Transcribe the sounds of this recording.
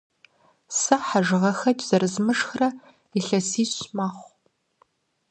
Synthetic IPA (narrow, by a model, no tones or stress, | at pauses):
sɐħaʒɨʁɐxɐtʼz̥ɐrɨzmɨʂxrɐ | iɬɐsiːɕmaːχʷ